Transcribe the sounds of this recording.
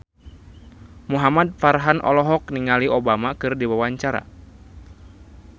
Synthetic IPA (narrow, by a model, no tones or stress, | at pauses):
muɦamad̪̚farɦanʔɔ̰lɔɦɔk̚niŋaliɔbamakɨrdiwawaɲt͡ʃaɾa̰